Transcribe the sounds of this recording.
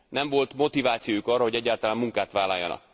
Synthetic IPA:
nɛɱvo̞lt̪mo̞t̪ivaːt̪sijojukɒːrːɒɦoɟɛɟːaːrt̪ɒlaːmuŋkaːt̪ʋaːlɒjːɒ̰nɒ̰k

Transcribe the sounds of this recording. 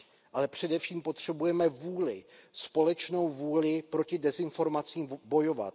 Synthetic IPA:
ʔalɛpr̝̥ɛdɛfʃiːmpo̞t̪r̝̥ɛbujɛmɛvuːlɪspo̞lɛt͡ʃno̞wvuːlɪpɾo̞cɪdɛzɪnfo̞ɾmat͡siːmbo̞jo̞va̰t̪

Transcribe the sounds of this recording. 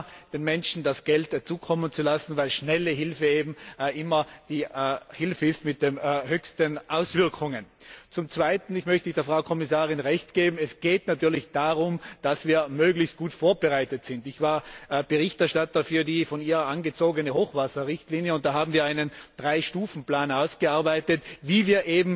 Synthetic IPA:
d̥eːnmɛnʃn̩dasɡ̥ɛltt͡suːkʰɔmənt͡sulasn̩vaɪlʃnɛləɦɪlfəeːbm̩ʔɪmɐd̥iːhɪlfəɪstmɪt̚d̥emhøːçstənʔaʊsv̥ɪɐkʰʊŋənt͡sʊmt͡sv̥aɪtn̩ɪçmœçtəɪçd̥eːɐfʁ̥aʊkʰɔmɪsaːʁɪnʁɛçtɡ̥eːbm̩ɛsɡ̥eːtnatʰyːɐlɪçd̥aːʁʊmd̥asv̥iːɐmøːɡlɪçst̚ɡ̥uːtfoːɐbəʁaɪtətsɪntɪçv̥aːɐb̥əʁɪçtɛɐʃtatɐfyːɐdiːfɔniːʁɐanɡət͡soːɡənəhoːxv̥asɐʁɪçtliːnjəʊnt̚d̥aːɦaːbm̩viːɐaɪnənd̥ʁaɪʃtuːfn̩plaːnaʊsɡ̥əaɐbaɪtətviːviːɐʔeːbm̩

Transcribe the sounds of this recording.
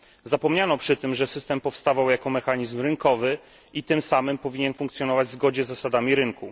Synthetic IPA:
zapɔmɲanɔpʂɘt̪ɘmʐɛsɘst̪ɛmpɔfst̪avawjakɔmɛxaɲizmɾɘŋkɔvɘ | it̪ɘmsamɘmpɔvʲiɲɛnfuŋkt̪sʲjɔnɔvad͡ʑzɡɔd͡ʑɛzːasad̪amʲiɾɘŋku

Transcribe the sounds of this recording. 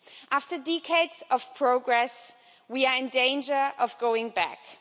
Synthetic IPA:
ʔæftə˞dɛkʰeɪdz̥ʌv̥pʰɹ̥oʊɡɹɛs | wiə˞ɨ̃ndẽɪ̃nd͡ʒə˞ʔʌvɡoʊɪ̃ŋbæ̰k

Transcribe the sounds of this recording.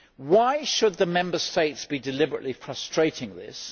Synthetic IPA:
waɪʃəd̪̚ðəmɛ̃mbəsteɪtsb̥idɨlɪbəɹə̰ʔlifɹʌstɹ̥eɪtʰɪ̃ŋðɪ̰s

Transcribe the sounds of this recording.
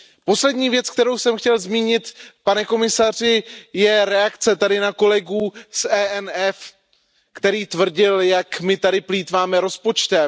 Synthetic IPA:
po̞slɛdɲiːvjɛt͡sk̚t̪ɛɾo̞wsɛmxcɛlzmiːɲɪt̪panɛko̞mɪsar̝ɪjɛɾɛakt͡sɛt̪adɪnako̞lɛɡuːsɛːɛnɛf | kt̪ɛɾiːt̪vr̩ɟɪljakmɪt̪adɪpliːt̪vaːmɛɾo̞spo̞t͡ʃt̪ɛ

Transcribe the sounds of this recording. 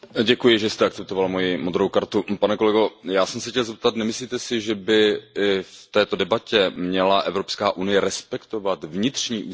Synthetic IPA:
ɟɛkujɪʒɛst̪ɛaktt͡sɛp̚t̪ovalmo̞jɪmod̪ɾowkaɾt̪upanɛko̞lɛɡo̞jaːsɛmsɛxcʲɛlzɛp̚t̪at̪nɛmɪsliːt̪ɛsɪʒɛbɪft̪ɛːt̪o̞dɛbacɛmɲɛlaʔɛvɾopskaːʔunɪjɛɾɛspɛkt̪o̞vat̪vɲɪt̪r̝̥ɲiːʔuː

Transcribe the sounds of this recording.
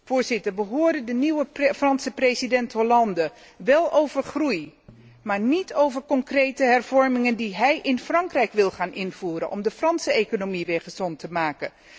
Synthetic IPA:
v̥ʊːɹzɪtəɹʋəɦoːɹdəndəniwəfrɑnsəprejzidɛntɦolɑndə | ʋɛlˠʔowvəɹχruj | maːɹnitʰowvəɹkɔŋkrejtəɦɛrv̥ɔɹmɪŋəndiɦɛjʔɪnfrɑŋkrɛjkʋɪlˠχaːnʔɪnv̥uːɾə̰nʔɔ̰mdəfrɑnsəejkonomiʋɪːɹχəz̥ɔntəmaːkən

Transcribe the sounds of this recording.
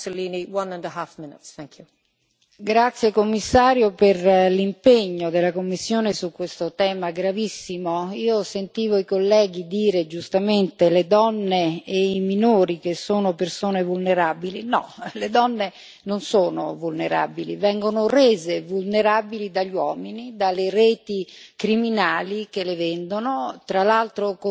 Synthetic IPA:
soliːniwʌ̃nə̃nəɦafmɪnɪ̰tsθæ̃ŋkʰju | ɡɾat̪sːjekomːisːaːɾjoperlimpeɲːod̪elakomːisːjoːnesukːwest̪ot̪ɛːmaɡɾavisːimoiːosent̪iːvoikolːɛːɡid̪iːɾed͡ʒust̪ament̪eled̪ɔnːeːiminoːɾikesːoːnopersoːnevulneɾabilinɔ̰led̪ɔnːe | nonsoːno̰vulneɾa̰bilivɛŋɡonoreːzevulneɾabilid̪aʎːwɔːminid̪aleɾeːt̪ikɾiminaːlik̟elevɛnd̪onot̪ɾalalt̪ɾok

